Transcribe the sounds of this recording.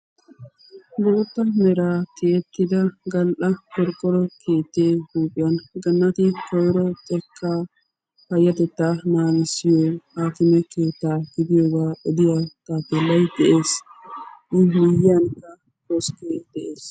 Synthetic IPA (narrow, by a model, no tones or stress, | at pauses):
bɔɔt̪ːɐmɛɾaːkʰeːt̪ːɪd̪ɐɡɐlʔɐfɔɾkʼːɔɾɔkʰe̞ːt̪ːeːhuːpʼɪjɐnɡɐnːɐt̪ɪkɔjɾɔt̪ʼɛkʰːaː | pɐjːɐt̪ɛt̪ːaːnaːnɪsɪjoːhaːkɪmɛke̞ːt̪ːaːɡɪd̪ɪjoːɡaːɛd̪ɪjat̪aːp̪ːɛlːɐjd̪ɛʔe̞ːs | ʔɪmɪjɪjɐnkɐ | hɔskeːd̪̥ɛʔeːs